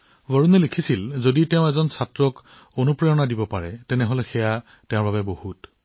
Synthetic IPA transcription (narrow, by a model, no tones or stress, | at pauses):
bɔɹunɛlikʰisilzoditeʊ̃ɛzɔnsatɹɔk | onupɹejɔnadibɔpaɹɛtɛnɛɦɔlɛxɛja | tɛʊ̃ɹbabɛbohut